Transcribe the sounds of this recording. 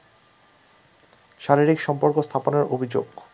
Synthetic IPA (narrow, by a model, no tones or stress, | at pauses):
ʃaɾiɾikʃɔmpoɾkost̪ʰaponeɾobʱid͡ʑoɡ